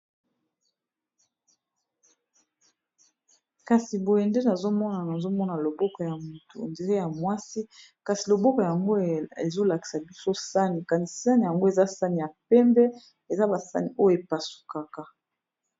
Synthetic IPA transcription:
ka˨si˨bo˨je˨nde˦na˨zo˦mɔ˦na˨na˨zo˦mɔ˦na˨lo˨bɔ˦kɔ˨ja˨mu˨tṵ˨nde˨ɣe˦ja˨mwa˦si˦ | ka˨si˨lo˨bɔ˦kɔ˨ja˨ŋɡo˦e˨zo˦la˨ki̥˨sa˨bi˦so˦sa˦ni˨ka˨ni˨sa˦ni˨ja˨ŋɡo˦e˨za˦sa˦ni˨ja˨pɛ˦mbɛ˦ | e˨za˦ba˨sa˦ni˨ʔo˦jo˨e˨pa˨su̥˨ka˨ka˨

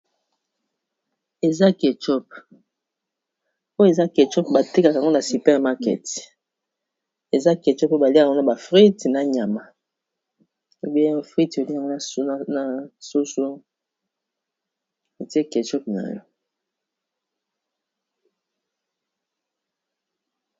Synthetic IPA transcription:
e˨za˦ke˨t͡ʃɔ˦p | o˦e˨za˦ke˨t͡ʃɔ˦p̚ba˨te˦ka˨kŋɡo˦na˨si˨pɛ˦ʁma˦kɛ̰˨t | e˨za˦ke˨t͡ʃɔ˦po˦ba˨li˦a˨ŋɡo˦na˨ba˨fʁi˦tna˨ɲ˨a˨ma˨ | o˦bi˦ɛ˦fʁi˦to˨li˦a˨ŋɡo˦na˦na˨na˨su˦so˦ | e˨ti˦e˦ke˨t͡ʃɔ˦p̚na̰˨jɔ˦

